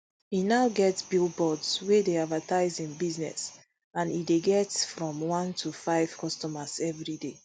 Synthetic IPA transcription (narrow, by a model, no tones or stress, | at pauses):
inaʊɡɛtsbilbɔdswedeadvatʰaɪzĩnbiznɛ̰s | ãnideɡɛtfɹɔ̃mwɔ̃ntʰufaɪv̥kʰɔstɔmasɛvɹide